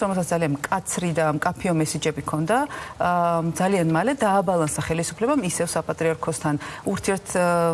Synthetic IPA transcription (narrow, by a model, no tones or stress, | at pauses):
ɔmɛlsat̪alianmkʼat̪sʰɾid̪amkʼapʰiɔmɛsid͡ʒɛbikʰɔnd̪a | d̪zalianmalɛd̪aːbalˠansaχɛlisupʰlɛbamisɛfsapʼat̪ʼɾiaɾkʰɔst̪ʰanuɾt̪ʰiɛɾt̪ʰ